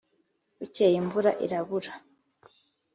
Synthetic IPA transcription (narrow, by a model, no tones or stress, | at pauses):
ucejimvuɾa̰ʔiɾaβuɾa